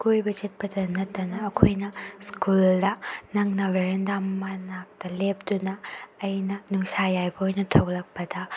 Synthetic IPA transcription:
kujbɐt͡ʃɐt̚pɐdɐnɐtːɐnɐːkʰojnɐskuldɐnɐŋnɐweɾendammɐnak̚tɐlep̚tunɐːjnɐnuŋsajajbɐojnɐtʰɐwlɐk̚pɐdɐ

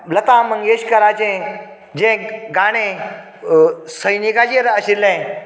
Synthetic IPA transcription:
lət̪aməŋeɕkəɾad͡ʑẽ | d͡ʑẽɡaɽ̃ẽ | səjnikad͡ʑeɾəɕilːẽ

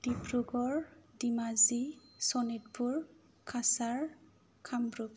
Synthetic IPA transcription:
d̥ibɹuɡɔɹdimazisɔnit̚puɹ | kʰasaɹ | kʰambɹuɡ

